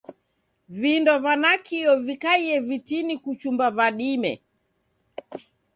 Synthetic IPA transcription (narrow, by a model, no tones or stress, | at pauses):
vindɔvanakʰiɔvikaiɛvitinikut͡ʃumbavaɗimɛ̰